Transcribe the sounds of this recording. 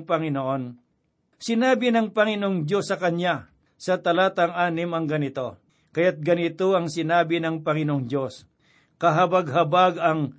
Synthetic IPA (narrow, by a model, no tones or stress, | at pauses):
pɐŋɪnoʔo̞n | sɪnaːbɪnɐŋpɐŋɪnoʔoŋd͡ʒo̞sːɐkɐɲja | sɐt̪ɐlaːt̪ɐŋaːnɪmɐŋɡɐnɪt̪o̞ | kɐjat̪̚ɡɐnɪt̪o̞ʔɐŋsɪnaːbɪnɐŋpɐŋɪnooŋd͡ʒo̞s | kɐɦɐbɐɡɦɐbaɡɐŋ